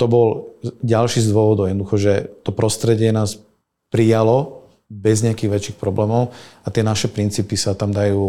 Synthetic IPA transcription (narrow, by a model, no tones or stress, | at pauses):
t̪ɔbɔlɟalʃiːzd̪ʊɔʋɔd̪ɔʊɛd̪ɔd̪uxɔʒɛt̪ɔpɾɔst̪ɾɛɟɪɛnaːs | pɾijalɔ | bɛzɲɛakiːɣʋɛt͡ʃiːxpɾɔblɛːmɔʊat̪ɪɛnaʃɛpɾint͡siːpisat̪amd̪ajuː